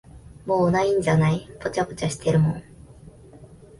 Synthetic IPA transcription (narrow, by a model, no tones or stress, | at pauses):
moːnaĩɲ̟d͡ʑanaipo̞t͡ɕapo̞̥t͡ɕaɕi̥t̪e̞ɾɯ̟mõ̞ŋ